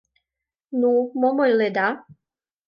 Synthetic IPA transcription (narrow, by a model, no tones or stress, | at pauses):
numomojled̪a